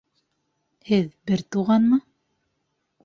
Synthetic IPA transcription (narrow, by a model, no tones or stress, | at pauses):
hɘðbɘɾt̪uʁɑnmɤ